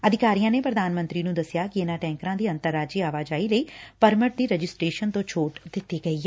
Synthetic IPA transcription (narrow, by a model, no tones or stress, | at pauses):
əd̪ʱɪkaːɾijãːneːpɾəd̪aːnmə̃nt̪ɾiːnũːd̪əsɪjaːkɪɪnaːʈɛ̃ːŋkɾãːd̪iːənt̪əɾːaːd͡ʒiːaːʋaːd͡ʒaːiːləiːpəɾməʈ̚d̪iːɾəd͡ʒɪsʈɾeːʃənt̪õːt͡ʃʰoːʈd̪ɪt̪ːiːɡəiːɛː